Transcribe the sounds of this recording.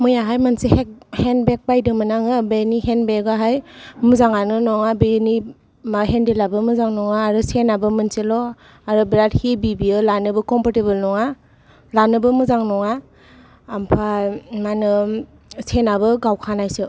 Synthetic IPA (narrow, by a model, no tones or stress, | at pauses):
mɯjaɦajmansehek̚henbek̚bajdɯmɯnaŋɯbenihenbekaɦajmuzaŋanɯnɔŋabeni | maɦendelabɯmɯzaŋnɔŋaːɾɯsenabɯmɯnselɔ | aɾɯbɾat̚hebibiɯlanɯbɯkɔmpʰaɾtebɯlnɔŋa | lanɯbɯmuzaŋnɔŋaː | mpʰamanɯ | senabɯɡawkʰanajsɯ